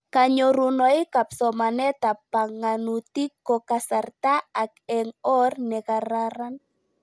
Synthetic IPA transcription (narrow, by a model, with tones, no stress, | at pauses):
kaɲo˨ɾu˨nɔ˨jka˨psɔ˨manɛ˦t̪a˨pa˨ŋanu˨t̪i˦kːɔ˨kasart̪a˦a˨kɛŋɔ˦rnɛ˨kaɾaɾan